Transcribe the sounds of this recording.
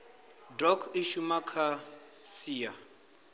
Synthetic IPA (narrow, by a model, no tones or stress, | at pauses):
drɔkʰiʃumakʰa | siːja